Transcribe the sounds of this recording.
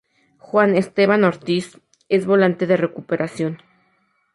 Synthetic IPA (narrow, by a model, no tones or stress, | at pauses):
xwane̞st̪e̞βanoɾt̪is | e̞zβo̞lant̪e̞ðe̞re̞kupe̞ɾʔasjo̞n